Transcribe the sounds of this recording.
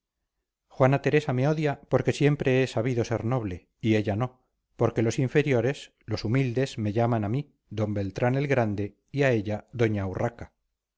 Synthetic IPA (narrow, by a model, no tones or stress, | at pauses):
xwanat̪e̞ɾe̞same̞o̞ðjapo̞ɾke̞sje̞mpɾe̞esaβ̞iðo̞se̞ɾno̞β̞le̞ | ie̞ʎano̞ | po̞ɾke̞lo̞siɱfe̞ɾjo̞ɾe̞s | lo̞sumild̪e̞zme̞ʎamanami | ðo̞mbe̞lt̪ɾane̞lɣɾand̪e̞ | iae̞ʎaðo̞ɲawraka